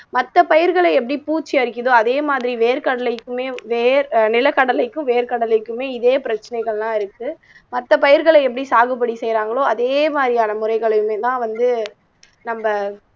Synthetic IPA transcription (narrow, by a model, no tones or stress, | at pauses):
mɐt̪ːɐpɐjɪɾɣɐɭɐɛpːɐɽipuːt͡ʃːiɐɾɪk̬ːɪðoːɐðeːmaːðɪɾiʋeːɾkɐɽɐlɐɪkːɯmeːʋeːɾnɪlɐkːɐɽɐlɐɪkːɯ̃ʋeːɾkɐɽɐlɪkːɯmeːɪðeːpɪɾɐt͡ʃːɐnɐɪɣɐɭlãːɪɾɯkːɯ | mɐt̪ːɐpɐjɪɾɣɐɭɛɛpːɐɽisaːɣɯpːɐɽisɛjɾaːŋɡɐɭoːɐðeːmaːd̪ɾijaːnɐmʊɾɐɪɣɐɭɐjɯmeːt̪ãːʋɐnd̪ɯ | nɐmbɐ